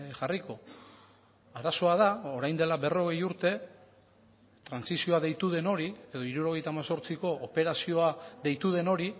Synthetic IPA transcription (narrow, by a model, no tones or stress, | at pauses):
ʝariko̞ | aɾaso̞að̞ao̞ɾajnd̪e̞labe̞ro̞ɣe̞juɾt̪e̞ | t̪ɾansisio̞aðe̞jt̪uð̞e̞no̞ɾie̞ðo̞iɾuɾo̞ɣ̞e̞jt̪amaso̞ɾt͡siko̞ʔːpe̞ɾasio̞aðe̞jt̪uð̞e̞no̞ɾi